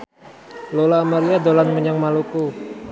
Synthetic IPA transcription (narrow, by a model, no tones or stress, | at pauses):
lolamaɾiadolanməɲaŋmaluku